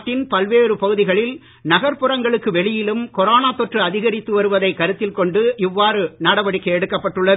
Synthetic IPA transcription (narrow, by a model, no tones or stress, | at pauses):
ʈːɪnpɐlʋeːɾɯpɐɣɯðɪɣɐɭɪl | nɐɣɐɾpɯrɐŋɡɐɭɯkːɯʋɛɭɪjɪlɯmkɔɾaːnaːt̪ːɔʈrɯɐðɪɣɐɾɪt̪ːɯʋɐɾɯʋɐðɐɪkːɐɾɯt̪ːɪlkɔɳɖɯʔɪʋːaːɾɯnɐɽɐʋɐɽɪkːɐɛɽɯkːɐpːɐʈːɯɭːɐ